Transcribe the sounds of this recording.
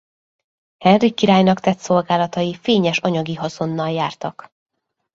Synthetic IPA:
hɛnrikːiɾaːjnɒkt̪ɛt̪so̞lɡaːlɒt̪ɒjifeːɲɛʃɒɲɒɡiɦɒzo̞nːɒljaːrt̪ɒk

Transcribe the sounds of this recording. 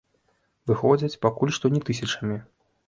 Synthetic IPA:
vɨxɔd͡zʲɐt͡sʲpakulʲʂt̪ɔnʲɛt̪ɨs̬ʲɐt͡ʂɐmʲi

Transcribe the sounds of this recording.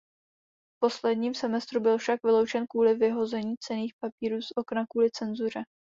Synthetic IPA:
fpo̞slɛdɲiːmsɛmɛst̪ɾubɪlfʃakvɪlo̞wt͡ʃɛnkvuːlɪvɪɦo̞zɛɲiːt͡sɛniːxpapiːɾuːsʔo̞knakuːlɪt͡sɛnzuɾ̝ɛ

